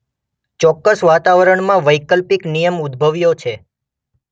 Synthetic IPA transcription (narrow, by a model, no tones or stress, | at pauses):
t͡ʃɔkːəsʋat̪aʋəɾəɳmãʋəjkəlpiknijəmud̪bʱəʋjot͡ʃʰe